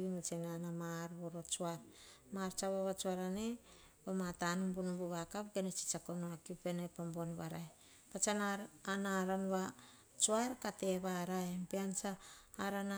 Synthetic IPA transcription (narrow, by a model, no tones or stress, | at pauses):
inut͡ʃenanamaɾβoɾot͡ʃuaɾmaɾt͡ʃaβaβat͡ʃuaɾane | bomatanumbunubuβakapɡenet͡ʃi̥t͡ʃakonoakiupenepambonβaɾaj | pat͡ʃanaːnaɾanβa | t͡ʃuaɾkate̞βaɾajempeant͡ʃaːɾana